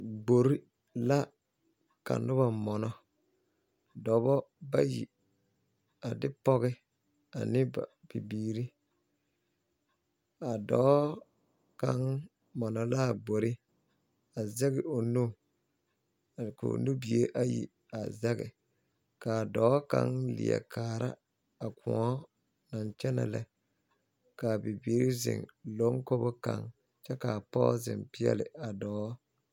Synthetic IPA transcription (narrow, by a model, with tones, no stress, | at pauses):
ɡ͡bo˨ɾi˦ | la˦ | ka̰˨nʊ˦ba˨mɔ˨nɔ˦ | dɔ˨bɔ˦ba˦jḭ˨ | a˨dɪ˦pɔ˦ɣɪ˦ | a̰˨nɪ˦ba˨pi˨biː˨ɾi˦ | a˨dɔː˦ | ka˦ŋ | mɔ˨nɔ˨la˦˨ɡ͡bo˨ɾɪ˦ | a˨zɛ˦ɣɪ˨o˨nu˦˨ | ko̰˨nu˦bi˨e˦ʔa˦jḭ˦ | a˨zɛ˦ɣɪ˨ | ka˨dɔː˦ka̰˦ŋlɪ̰˨ɛ̰˨kʰaː˨ɾa˦ | a˨kʰʊ̃˨ɔ˦ | na˨nt͡ʃɛ˦nɛ̰˨lɛ˦ | ka˨bi˨bi˨˦ɾɪ˦zɪ̰˨ŋlo˦ŋko˦bʊ˦ka̰˦ŋ | t͡ʃɛ˦ka˨pɔ˦zɪ˨mpɪ˦ɛ̰˦lɪ˨a˨dɔː˨˦